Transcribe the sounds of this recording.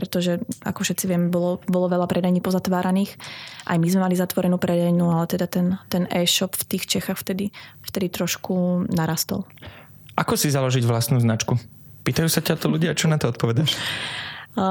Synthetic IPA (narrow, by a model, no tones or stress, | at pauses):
pɾɛt̪ɔʒɛa̰kɔfʃɛt̪t͡siʋɪɛmɛbɔlɔbɔlɔʋɛlapɾʔɛd̪aɲiːpɔzat̪ʋaːɾaniːxʔa̰jmizmɛmalizat̪ʋɔɾɛnuːpɾɛd̪ajnualɛt̪ɛd̪at̪ɛnt̪ɛnɛːʃɔpft̪iːxt͡ʃɛxaxft̪ɛd̪ift̪ɛd̪it̪ɾɔʃkunaɾast̪ɔ̰l | ʔakɔsizalɔʒiɟʋlast̪nuːznat͡ʃku | piːt̪ajuːsacat̪ɔluɟɪat͡ʃɔnat̪ɔɔt̪pɔʋɛd̪aʃ